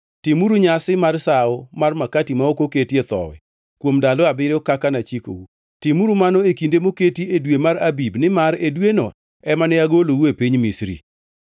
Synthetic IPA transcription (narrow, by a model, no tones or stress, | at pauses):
tɪmuɾuɲasɪmarsaɔmarmakatimaokoketiet̪ɔ̰wɛ̰ | kwomdalɔabɪɾɔkakanat͡ʃiko̰u | tɪmuɾumanɔekindemoketiedwemaɾabibnɪmaɾedweno̰ | ɛmanɛaɡolowuepiɲmisɾḭ